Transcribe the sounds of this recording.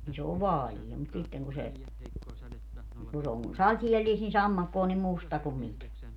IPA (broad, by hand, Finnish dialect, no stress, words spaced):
ni s oːʋ ʋɑːlie mut sitːeŋ ku se ku se oŋ sɑtielːiːst ni sɑmːɑkːo on nim mustɑ kum mikæ